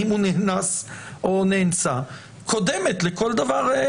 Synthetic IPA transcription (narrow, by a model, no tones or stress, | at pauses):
imhunehnasʔo̞nent͡sa | kʰo̞d̪eme̞t̪leko̞ld̪avaʁ